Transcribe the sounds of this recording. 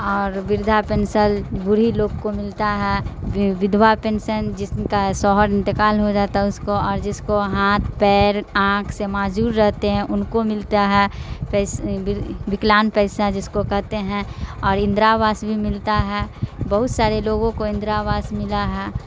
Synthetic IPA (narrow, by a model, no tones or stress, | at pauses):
ɔːɾʋɪɾd̪ʱapɛnsəlbʊɾiloːɡkomɪlt̪aɦɛʋɪd̪wapɛ̃ːnsənd͡ʒɪskasɔːɦəɾɪ̃nt̪ɪkaːlɦod͡ʒaːt̪aɦɛʊskoɔːɾd͡ʒɪskoɦaːt̪ʰpɛːɾãːkʰsemaːd͡ʒuːɾːɛɦt̪eɦɛ̃ʔʊnkomɪlt̪aɦɛːpɛsɪʋɪklaːnpɛɪsad͡ʒɪskokɛɦt̪eɦɛ̃ɔːɾɪ̃nd̪ɾaʋaːsbʱimɪlt̪aɦɛːbɐɦʊt̪saːɾeloːɡõkoɪ̃nd̪ɾaʋaːsmɪlaɦɛː